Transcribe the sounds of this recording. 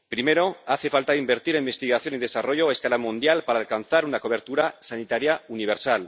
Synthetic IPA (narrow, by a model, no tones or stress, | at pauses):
pɾime̞ɾo̞aθe̞falt̪aimbe̞ɾt̪iɾe̞mbest̪iɣaθjo̞nið̞e̞saro̞ʝoaeskalamũnd̪jalpaɾaːlkan̟θaɾunako̞β̞e̞ɾt̪uɾasanit̪aɾjauniβ̞eɾsal